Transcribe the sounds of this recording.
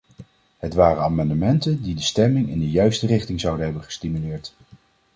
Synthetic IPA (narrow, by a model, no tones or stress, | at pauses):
ɦətʋaːrəaːmɑndəmɛntəndidəstɛmɪŋɪndəjœɥstərɪχtɪŋzɑwdəɦɛbənχə̥stimylɪːɹt